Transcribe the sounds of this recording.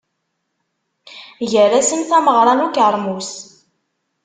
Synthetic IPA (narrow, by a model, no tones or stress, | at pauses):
ʝəɾæsənθæməʁɾˤɑnukəɾˤmus